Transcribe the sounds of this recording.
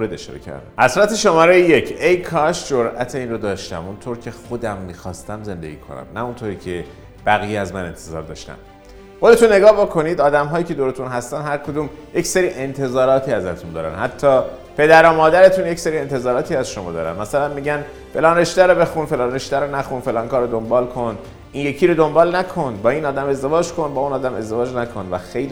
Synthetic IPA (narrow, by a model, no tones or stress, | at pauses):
moɾed̪e̞ʃɒ̰ːɾḛcʰæ̰ɾd̪æ̰mhæsɾæt̪eʃomɒːɾejeje̞cʰejkʰɒʃd͡ʒoɾæt̪ʰeiːnrod̪ɒːʃt̪æ̰munt̪ʰoːɾcʰe̞xod̪æmːiːxɒːst̪æmze̞nd̪eɟḭːkʰo̞̰næ̰mnæunt̪ʰoːɾiːcʰe̞ | b̥æɣiːjeæzmæne̞nt̪ʰe̞zɒ̰ːɾd̪ɒ̰ːʃt̪æ̰m | xod̪et̪unːe̞ɡɒːhbokʰo̞niːd̪ɒːd̪æmɦɒːjiːcʰed̪oɾet̪ʰunɦæst̪ænd̪hæɾkʰod̪uːmje̞cse̞ɾiːʔe̞nt̪ʰe̞zɒːɾɒːt̪ʰiːæzæt̪ʰund̪ɒːɾæ̰nhæt̪ʰːɒː | pʰe̞d̪æɾomɒːd̪æɾe̞t̪ʰunjecse̞ɾiːe̞nt̪ʰe̞zɒːɾɒːt̪ʰiːæzʃomɒ̰ːd̪ɒ̰ːɾæ̰nmæsælænmiɟæn | fe̞lɒːneʃd̪æɾɔbe̞xunfe̞lɒːneʃd̪æɾonæxunfe̞lɒːŋkɒːɾod̪o̞mbɒːlkʰo̞n | ʔinje̞cʰiːɾod̪o̞mbɒːlnækʰo̞nbɒːiːnɒːd̪æme̞zd̪e̞vɒːd͡ʒkʰo̞nbɒːuːnɒːd̪æme̞zd̪e̞vɒːd͡ʒnækʰo̞nvæxejl